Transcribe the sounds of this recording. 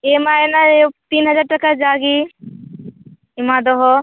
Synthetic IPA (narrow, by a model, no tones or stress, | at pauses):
emaenat̪iːnɦəd͡ʒaɖ̚ʈəkad͡ʒaɡi | imad̪ɔɦɔ